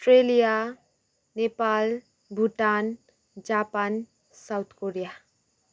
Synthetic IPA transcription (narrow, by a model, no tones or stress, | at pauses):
sʈɾelija | nepal | bʱuʈan | d͡zapan | sawt̪ʰkoɾija